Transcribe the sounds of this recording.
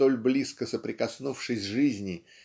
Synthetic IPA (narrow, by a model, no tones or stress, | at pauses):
t̪o̞lʲblʲiskəsəpɾʲɪkɐsnufʂɨsʲʐɨzʲnʲɪ